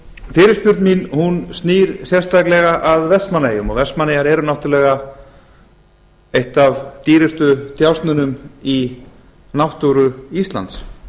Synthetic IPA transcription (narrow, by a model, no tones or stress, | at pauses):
fɪːɾɪspjʏɾt̪minhunst̪niːɾ̥sjɛrst̪aklɛɣaʔaðvɛsmaneːjʏmɔɣvɛsmaneːjaɾɛːɾʏnawht̪ʏlɛːɣa | ejht̪avt̪iːɾɪst̪ʏt̪jawst̪nʏnʏmi | nawht̪uɾʏist̪la̰nt̪s